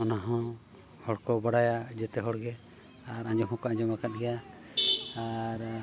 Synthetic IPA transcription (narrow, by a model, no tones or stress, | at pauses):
ɔnaɦɔ̃ | hɔɽkɔbaɽajad͡ʒɛt̪ɛɦɔɽɡɛ | aɾãɲd͡ʒɔɦɔ̃kɔãɲd͡ʒɔmakat̪̚ɡɛja | aɾ